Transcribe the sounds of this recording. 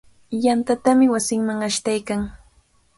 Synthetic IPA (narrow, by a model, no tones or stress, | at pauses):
jant̪at̪amɪwasɪŋmaŋaʃt̪ajkaŋ